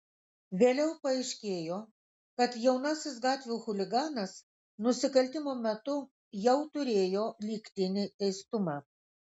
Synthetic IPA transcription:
ʋʲeːlʲɛʊpɐɛɪʃʲkʲeːjoː | kɐt̪jɛʊnɐsʲɪs̬ɡɑːt̪ʲʋʲuːxʊlʲɪɡɑːnɐs | nʊsʲɪkɐlʲt̪ʲɪmoːmʲɛt̪ʊ | jɛʊt̪ʊɾʲeːjoːlʲiːkʲt̪ʲɪnʲɪt̪ʲɛɪst̪ʊmɑː

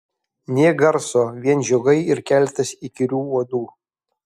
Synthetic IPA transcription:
nʲeːɡɐɾsoːʋʲiɛnʒʲoɡɐɪɪɾkʲɛlʲt̪ɐsikʲɪɾʲuːuɔd̪uː

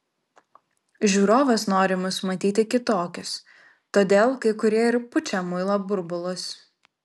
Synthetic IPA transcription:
ʒʲuːɾoːʋɐsnoːɾʲɪmʊsmɐt̪ʲiːt̪ʲɪkʲɪt̪oːkʲɪs | t̪oːd̪ʲeːlˠkɐɪkʊɾʲiɛɪɾpʊt͡ʃʲɛmʊɪlˠobʊɾbʊlˠʊs

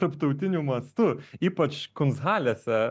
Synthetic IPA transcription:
ɐɾpt̪ɐʊt̪ʲɪnʲumɐst̪ʊiːpɐt͡ʃkʊnsɣɑːlʲeːsʲɛ

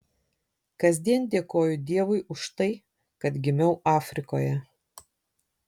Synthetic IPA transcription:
kɐzʲd̪ʲiɛnd̪ʲeɛkoːjʊd̪ʲiɛʋʊɪʔʊʃt̪ɐɪ | kɐt̪ɡʲɪmʲɛʊʔɑːfʲɾʲɪko̰ːjɛ

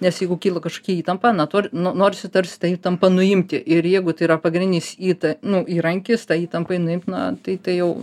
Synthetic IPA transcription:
nʲɛsjɛɪɡʊkʲiːlˠɐkɐʃkoːkʲiiːt̪ɐmpɐːnɐt̪oːɾʲnonoːɾʲɪsʲɪt̪ɐɾʲsʲɪ̥t̪ɑːiːt̪ɐmpɐnʊɪmʲt̪ʲɪʔɪɾjɛɪɡʊt̪ɐɪɾɐpɐɡɾʲnʲɪnʲɪsiːt̪ɐnʊiːɾɐŋʲkʲɪst̪ɑːiːt̪ɐmpɐɪnʊɪmʲt̪ʲnʊt̪ɐɪt̪ɐɪjɛʊ

